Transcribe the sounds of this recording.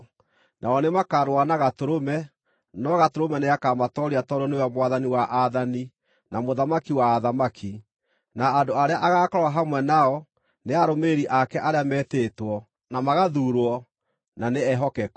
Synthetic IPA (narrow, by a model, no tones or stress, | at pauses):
nʔaɔnemakaɾwanaɣatoɾomɛ | nɔɣatoɾomɛneakamatɔɾiatɔɾɔnejamwaðaniwaʔaðani | namoðamakiwaːðamakʰi | naːndoaɾeaʔaɣaːkɔɾwaɦamwɛnaɔ | neaɾomeɾiʔakɛʔaɾeamɛteːtwɔ | namaɣaðuɾwɔ | naneɛɦɔkɛk